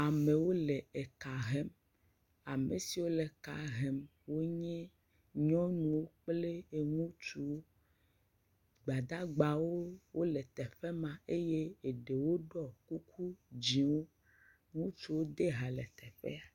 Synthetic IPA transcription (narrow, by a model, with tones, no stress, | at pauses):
a˨me˨wo˦le˨e˨ka˨ɦɛ˦m | a˨me˨si˨wo˦le˨ka˨ɦɛ˨m | wo˦ɲɛ̃˦ | ɲɔ̃˦nũ˨wo˦k͡ple˦e˨ŋũ˦t͡ʃu˨wo˦ | ɡ͡ba˨d̪a˦ɡ͡ba˨wo˦wo˦lɛ˨t̪ɛ˨ɸɛ˦mã˨e˦je˦e˨ɖe˨wo˦ɖɔ˦ku˦kʰu˦d͡ʑĩ˨wo˦ | ŋũ˦t͡ʃu˨wo˦d̪e˦ɦa˨lɛ˨t̪ɛ˨ɸɛ̰˦a˨